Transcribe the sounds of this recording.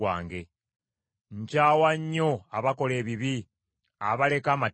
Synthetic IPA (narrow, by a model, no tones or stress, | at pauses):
wa̰ːŋɡe̞ | ɲcaːwaɲːo̞aβako̞le̞ːβiβi | aβale̞kaːma